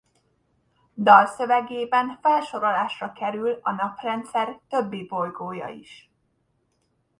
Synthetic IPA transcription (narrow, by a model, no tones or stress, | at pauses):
d̪ɒlsø̞vɛɡeːbɛnfɛlʃo̞ɾolaːʃrɒkɛɾylɒnɒprɛnt̪sɛrt̪ø̞bːibo̞jɡoːjɒ̰ḭʃ